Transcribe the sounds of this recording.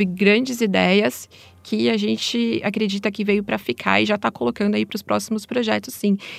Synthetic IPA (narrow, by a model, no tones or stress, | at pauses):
vɪɡɾɐ̃d͡ʒɪzid̪ɛjɐs | kʰɪaʒẽnt͡ʃɪakɾed͡ʒit̪ɐkɪvejʊpɾɐfikʰa̰ɾɪʒat̪akolokɐ̃nd̪ʊaipɾʊspɾɔsimʊspɾoʒɛt̪ʊsːĩ